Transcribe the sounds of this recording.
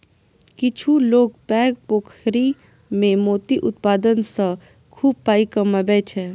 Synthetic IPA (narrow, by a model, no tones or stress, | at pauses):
kɪt͡ʃʰuloːɡpɛːɡ̚poːkʰɾi | mẽmoːt̪iʔʊt̪paːd̪ənsə̃ | kʰuːb̚paːikɐmɐbɛt͡ʃʰɛ